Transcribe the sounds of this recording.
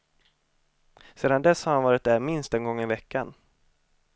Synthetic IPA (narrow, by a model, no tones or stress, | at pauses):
seːd̪and̪ɛshaɾhanvɑːɾɪt̪̚d̪æːɾmɪnst̪ɛnɡɔŋːəɾɪvɛkːan